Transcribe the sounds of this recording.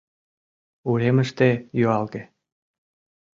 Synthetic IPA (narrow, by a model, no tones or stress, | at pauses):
uɾeməʃt̪ejøɑlɣe